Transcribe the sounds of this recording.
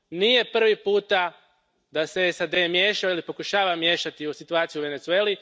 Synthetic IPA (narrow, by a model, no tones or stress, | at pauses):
nije̞pr̩ʋipuːt̪a | d̪aseesad̪e̞mje̞ːʃaoilipo̞kuʃaːʋamje̞ʃat̪iusit̪uaːt̪sijuʋe̞ne̞t̪sue̞ːli